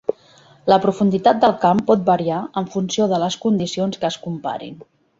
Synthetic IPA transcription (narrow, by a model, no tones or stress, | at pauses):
ləpɾufund̪it̪at̪̚d̪əlˠkampɔt̪̚bəɾiaəɱfunsioðələskund̪isionskəːskumpa̰ɾḭn